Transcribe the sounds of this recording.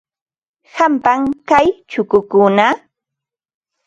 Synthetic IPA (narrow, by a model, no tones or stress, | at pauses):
hampaŋkajt͡ʃʊkʊkʊna